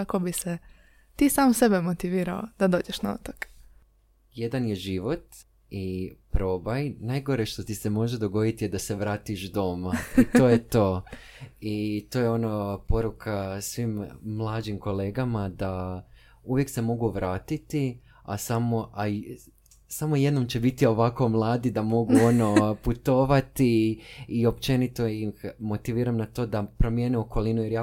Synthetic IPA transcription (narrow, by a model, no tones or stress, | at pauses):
akobise | t̪iːsaːmse̞bemot̪iʋiːɾaod̪̥ad̪o̞ːd͡ʑeʃnao̰t̪ok | je̞d̪anje̞ʒiʋo̞t̪ | ipɾo̞bajnajɡo̞ɾeʃt̪o̞t̪ise̞mo̞ʒed̪o̞ɡo̞d̪it̪ijed̪ase̞ʋɾaːt̪iʃd̪o̞mait̪o̞ːjet̪o̞ː | it̪o̞jeo̞napo̞ɾukʰasʋimːlˠaːd͡ʒimko̞le̞ːɡamad̪a | uʋje̞kse̞mo̞ɡuʋɾaːt̪it̪i | a̰samo̞ʔa | samo̞je̞d̪no̞mt͡ɕe̞bit̪io̞ʋako̞mlˠaːd̪id̪amo̞ɡuo̞no̞put̪o̞ːʋat̪iː | o̞pt͡ʃe̞nit̪o̞jixmo̞t̪iʋiːɾamnat̪o̞d̪apɾo̞mjeneo̞ko̞linuje̞ɾjaː